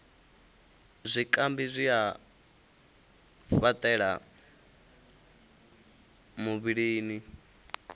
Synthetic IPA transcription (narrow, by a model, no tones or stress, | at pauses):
zʷikʼambizʷia | fat̪ʼɛɺa̰ | muβiɺiːni